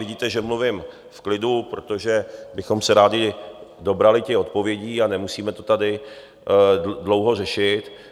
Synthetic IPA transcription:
vɪɟiːt̪ɛʒɛmluvɪm | fklɪdupɾo̞t̪o̞ʒɛbɪxo̞msɛɾaːdɪdo̞bɾalɪcɛo̞t̪po̞vjɛɟiːanɛmusiːmɛt̪o̞t̪adɪ | dlo̞wɦo̞rɛʃɪt̪

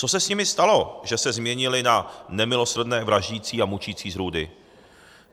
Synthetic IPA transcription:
t͡so̞sɛsɲɪmɪst̪alo̞ʒɛsɛzmɲɛɲɪlɪnanɛmɪlo̞sr̩dnɛːvɾaʒɟiːt͡siːamut͡ʃiːt͡siːzɾuːdɪ̰

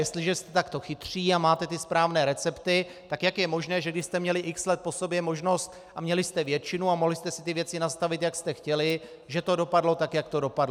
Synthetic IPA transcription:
jɛst̪lɪʒɛst̪ɛ̥t̪akt̪o̞xɪt̪r̝̥iːamaːt̪ɛt̪ɪspɾaːvnɛːɾɛt͡sɛpt̪ɪ | t̪akjakjɛmo̞ʒnɛːʒɛɡdɪʃst̪ɛmɲɛlɪʔɪkslɛt̪̚po̞sobjɛmo̞ʒno̞st̪ | ʔamɲɛlɪst̪ɛvjɛt͡ʃɪnuamoɦlɪst̪ɛsɪt̪ɪvjɛt͡sɪnast̪avɪt̪jakst̪ɛxcɛlɪ | ʒɛt̪o̞do̞padlo̞t̪akjakt̪o̞do̞padlo

